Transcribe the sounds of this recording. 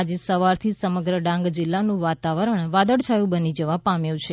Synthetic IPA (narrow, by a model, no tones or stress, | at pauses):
ad͡ʒesəʋaɾt̪ʰisəməɡɾəɖãŋɡd͡ʒɪlːanũʋat̪aʋəɾəɳʋad̪əɽt͡ʃʰajũbənid͡ʒəʋapamjũt͡ʃʰe